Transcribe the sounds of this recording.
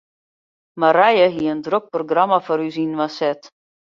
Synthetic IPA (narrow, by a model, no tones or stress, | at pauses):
maɾɛjəɦiəəndrok̚proɡramafɔɾyzinʋasɛt